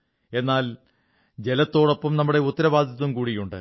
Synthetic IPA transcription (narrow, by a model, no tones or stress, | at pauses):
e̞nːaːl | d͡ʑe̞lɐt̪ːo̞ːɽo̞pːɐmnɐmːuɽe̞ut̪ːɐɾɐbaːd̪ʱjɐðumkuːɽijuɳɖɨ̰